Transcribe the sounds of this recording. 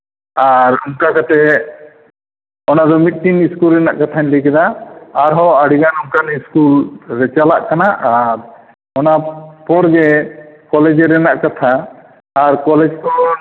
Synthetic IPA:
aɾumkakat̪ɛ | ɔnad̪ɔmit̪̚ˀʈiniskulɾɛna̰ʔkat̪ʰanlikɛd̪aːɾɦɔaɽiɡanumkaniskulɾɛt͡ʃalaʔkanaʔaɾ | ɔnapɔɾɡɛkɔlɛd͡ʒɛɾɛnaʔkat̪ʰaː | ɾkɔlɛd͡ʒkɔ

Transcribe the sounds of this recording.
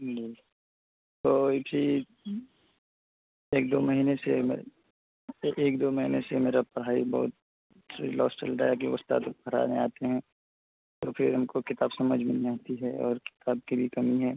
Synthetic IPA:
d͡ʒiː | t̪oːɪsi | eːk̚d̪oːmɐɦiːneseme | eːk̚d̪oːməɦiːnesemeːɾapɐɾɦaːibɔ̰ɦʊt̪̚ | lɔ̰ːsʈə̰lɖaːjak̬eʊ̰st̪a̰t̪bʱɐɾa̰ːneaːt̪eɦɛ̃ː | t̪opʰɪɾɐmkokɪt̪aːbsɐməd͡ʒʱmɪlːãɦt̪iɦɛɔ̰ːɾkɪ̥t̪aːb̚kibʱikɐmiɦɛː

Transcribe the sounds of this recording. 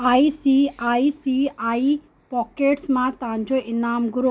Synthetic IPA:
aisiaisiai | pɔkeːʈsmãt̪ãɲd͡ʒoɪnaːmɡuɾo

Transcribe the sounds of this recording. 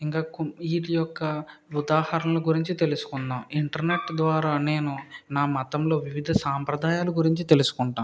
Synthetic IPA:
iŋkaːkiːʈijɔkːɐud̪aːhɐɾɐnlɐɡuɾiɲt͡ʃit̪e̞lusu̥kunːaːmiɳʈɐɾne̞ʈd̪ʋaːɾaːne̞ːnunaːmɐt̪ɐmlo̞ːʋiʋid̪ʱɐsaːmpɾɐd̪ʱaːjaːluɡuɾiɲt͡ʃit̪e̞lusu̥kuɳʈaːm

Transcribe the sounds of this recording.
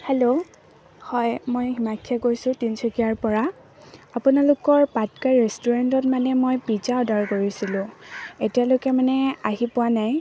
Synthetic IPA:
helo | hɔjmojhimakʰjakoɹisʊ̃tinsʰɔkiaɹpɔɹa | apʊnalʊkɔɹpatkaɹɛstuɹantɔtmanɛmojpizaɔdaɹkoɹisilʊ̃etijalokɛmanɛaɦipʊwanaj

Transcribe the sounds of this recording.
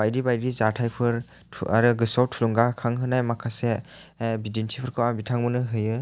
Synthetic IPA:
bajdibajɾizatʰajpʰɯɾʰ | a̰ɾɯɡɯsawtʰːulɔŋɡakʰaŋɦɯnajmakʰase | bidintʰipʰɯɾkʰɯwabitʰaŋmɯnɯɦɯjɯ

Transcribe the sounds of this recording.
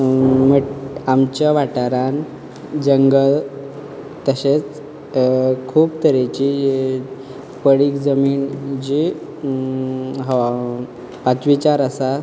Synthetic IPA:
məamt͡ɕjaʋaʈaɾan | d͡ʑəŋɡəɭ | t̪əɕet͡s | kʰuːbt̪əɾet͡ɕi | pəɽiːkd͡zəmiːnd͡ʑi | ɦəa | pat͡sʋit͡ɕaɾəsa

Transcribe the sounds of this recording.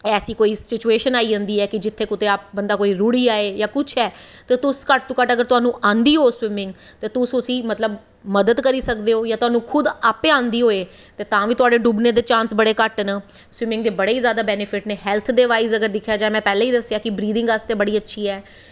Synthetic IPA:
ɛːsiːkoːiːsɪt͡ʃueːʃənaːiːɦə̃nd̪iːɛːkɪd͡ʒɪt̪ʰːeːkʊt̪eːaːp̚bənd̪aːkoːiːɾuːɽiːaːeːjãːkʊt͡ʃʰɛːt̪eːt̪ʊskəʈ̚t̪ũːkəʈəɡəɾt̪ʊɦaːnũːʔãːnd̪iːɦoːswɪmɪ̃ŋɡ | t̪eːt̪ʊsʊsĩːmət̪ləb | məd̪əd̪kəɾiːsəkd̪eːoːjãːt̪ʊɦaːnũːkʰʊd̪aːpeãːnd̪iːɦoːeː | t̪eːt̪ãːʋiːt̪ʊaːɖeːɖubnẽːd̪eːt͡ʃãːnsbəɽeːkəʈnə | swɪmɪ̃ŋɡd̪eːbəɽeːiːzjaːd̪aːbɛːnɪpʰɪʈneːɦɛːlt̪ʰd̪eːʋaːizəɡəɾd̪ɪkʰːjaːd͡ʒãːmɛ̃ːpɛːlẽːiːd̪əsːjaːkɪbɾiːd̪ɪ̃ŋɡast̪eːbəɽiːətːʃʰiːɛː

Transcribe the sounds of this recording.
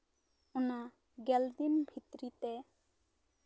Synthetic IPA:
ʊna | ɡɛld̪imbʱit̪ɾit̪ɛ

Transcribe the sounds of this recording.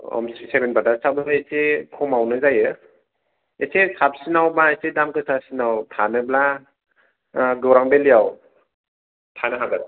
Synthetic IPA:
ɔ̰msisebenbadasabɯesekʰɔmawnɯzajɯ | esesap̚sinawmaesedamkʰɯsasinawtʰanɯbla | ɡɯwɾaŋbelijaw | tʰanɯɦabɯ

